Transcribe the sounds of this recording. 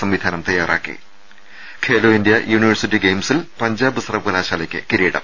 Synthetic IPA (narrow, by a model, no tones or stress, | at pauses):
sɐmʋid̪ʱaːnɐmt̪ɐjːaːra̰ːkːḭ | kʰeːloːind̪jɐjuːniʋɐrsitːiɡejmsilpɐɲd͡ʑaːbɨsrɐbkɐlaːɕaːlɐkʲːɨ̰kiɾiːɽɐ̰m